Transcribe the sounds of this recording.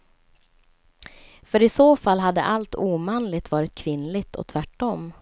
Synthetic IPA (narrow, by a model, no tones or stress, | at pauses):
fœɾɪsoːfalːɦad̪ːə̰ʔalt̪uːmanlɪt̪vɑːɾɪt̪̚kʰvɪnːlɪɡt̪ʰɔ̰t̪ʰvæʈːɔm